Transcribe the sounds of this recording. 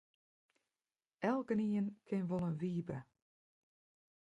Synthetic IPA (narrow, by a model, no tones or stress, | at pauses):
ɛlˠkəniənkʰɪnʋɔlˠənʋiːbə